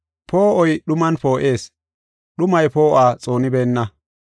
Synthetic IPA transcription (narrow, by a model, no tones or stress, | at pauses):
poːʔɔjɗʊmɐnpo̞ːʔeːs | ɗʊmɐjpo̞ːʔaːt͡sʼo̞ːnɪbeːnːɐ